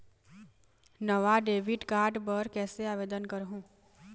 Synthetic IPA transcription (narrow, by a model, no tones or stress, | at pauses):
nɐʋaɖeːʋɪʈkaːɾɖbəɾkɛːseaːʋeːd̪ənkɐɾɦũː